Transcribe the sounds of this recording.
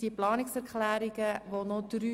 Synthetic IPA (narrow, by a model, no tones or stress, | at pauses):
d̥iplɑːnɪksɛɾklæːɾɪɡəvonod̥ɾy